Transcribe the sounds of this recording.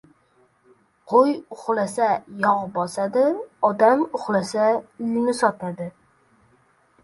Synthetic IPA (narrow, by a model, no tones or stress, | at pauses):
qʰojʊχlasajɒʁbɒsad̪ɪɒd̪amʊχlasaɪlnɪsɒt̪ʰad̪ɪ